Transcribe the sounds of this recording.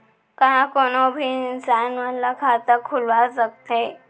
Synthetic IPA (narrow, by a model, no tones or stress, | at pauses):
kãkonobʱiːɪnsanʋəlːakʰat̪əkʰulʋasək̚t̪e